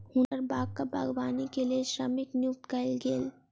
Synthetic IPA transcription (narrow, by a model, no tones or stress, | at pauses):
hʊnəɾbaːkkabʱaɡʋaːnikelieʃɾɐmɪknijʊk̚t̪kaɪlɡeːl